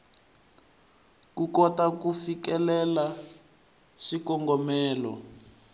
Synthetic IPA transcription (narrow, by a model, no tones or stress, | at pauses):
kukɔtakufikɛlɛla | ʃikɔŋɡɔmɛːlɔ̰